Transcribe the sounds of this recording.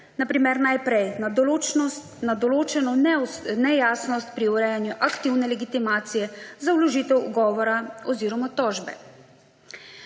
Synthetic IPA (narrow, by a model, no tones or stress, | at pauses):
napɾiːmɛɾnajpɾɛj | nad̪ɔloːt͡ʃɛnɔnɛjaːsnɔst̪̚pɾiuɾɛːjanjuʔakt̪iwnɛlɛɡit̪imaːt̪sijɛzawlɔʒiːt̪ɛwuɡɔːʋɔɾaɔziːɾɔmat̪ɔːʒbɛ̰